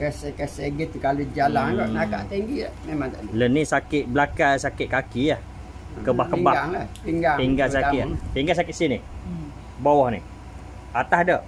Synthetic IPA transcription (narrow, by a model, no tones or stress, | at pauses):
kəsɛkəsɛɡit̪ukalud͡ʒalaŋɡaʔnakaʔt̪ɛŋɡimemãŋt̪aʔlulənːisakɪʔ̪̚blakasakɪt̪ʔ̚kakiah | kəbahkəbaaŋlahpiŋɡapiŋɡasakɪʔpiŋɡas̬akɪt̪ʔsini | bawɔhni | at̪ahdə